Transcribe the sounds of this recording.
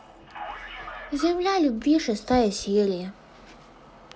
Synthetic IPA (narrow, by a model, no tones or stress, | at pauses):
zʲɛmlʲalʲubʲvʲiʂɛst̪ajɛsʲjelʲijɐ